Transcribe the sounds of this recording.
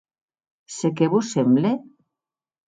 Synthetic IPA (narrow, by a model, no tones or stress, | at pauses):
sekeβusemble